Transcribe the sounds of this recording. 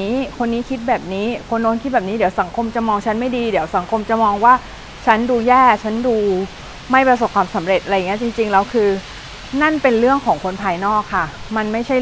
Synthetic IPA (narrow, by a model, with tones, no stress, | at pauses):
iː˦˥kʰo˧nːiː˦˥kʰi˦˥t̪̚bɛː˨˩p̚niː˦˥kʰo˧nːoː˦˥nkʰi˦˥t̪̚bɛː˨˩p̚niː˦˥di˩˦wsa˩˦ŋkʰo˧mt͡ɕa˨˩mɔː˧ŋt͡ɕʰa˦˥nma˥˩jdiː˧di˩˦əwsa˩˦ŋkʰo˧mt͡ɕa˨˩mɔː˧ŋwaː˥˩ | t͡ɕʰa˦˥nduː˧jɛː˥˩t͡ɕʰa˦˥nduː˧ | ma˥˩jpɾa˧s̬o˨˩p̚kʰwaː˧msa˩˦mɾe˨˩t̪̚ʔa˧a˧jːt͡ɕi˧ŋt͡ɕi˧ŋlɛː˦˥wkʰɯː˧ | na˥˩npe˧nɾɯ˥˩əŋkʰɔː˩˦ŋkʰo˧npʰaː˧jnɔː˥˩kʰːa˥˩ma˧nma˥˩jt͡ɕʰa˥˩